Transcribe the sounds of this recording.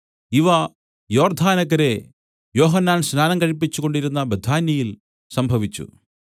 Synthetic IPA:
iʋɐ | jo̞ːrd̪ʱaːnɐɣɐɾe̞ | jo̞ːɦɐnːaːnsnaːnɐmkɐɻipːit͡ɕːuɣo̞ɳɖiɾunːɐbɐd̪ʱaːnjɐjil | sɐmbʱɐʋit͡ɕːṵ

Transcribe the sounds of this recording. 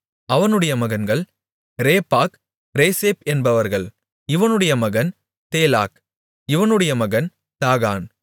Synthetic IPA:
ɐʋɐnɯɽɐjɐmɐɣɐnɡɐɭ | ɾeːpːaːk | ɾeːseːpɛnbɐʋɐɾɣɐɭ | ɪʋɐnɯɽɐjɐmɐɣɐn | t̪eːla̰ːk | ɪʋɐnɯɽɐjɐmɐɣɐn | t̪aːɣa̰ːn

